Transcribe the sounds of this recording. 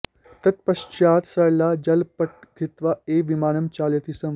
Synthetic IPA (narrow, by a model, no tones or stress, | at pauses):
t̪ɐt̪̚pɐʃt͡ʃaːt̪sɐjlaːd͡ʒɐlpɐʈ̚ɡʱit̪ʋaeːʋimaːnɐmt͡ʃaːljɐt̪iːsɐ̃m